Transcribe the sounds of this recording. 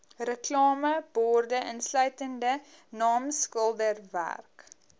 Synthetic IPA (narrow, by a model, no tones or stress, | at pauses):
rəklɑːməb̥ɔrdəʔənslœɥtəndənɑːmskəlˠdərvæ̰rk